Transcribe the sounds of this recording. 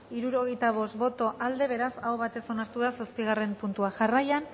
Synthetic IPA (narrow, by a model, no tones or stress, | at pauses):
iɾuɾo̞ɣe̞jt̪aβ̞o̞st̪bo̞t̪o̞ʔald̪e̞β̞e̞ɾasawβat̪e̞so̞naɾt̪uðasaspiɣ̞are̞mpunt̪uaʝarajan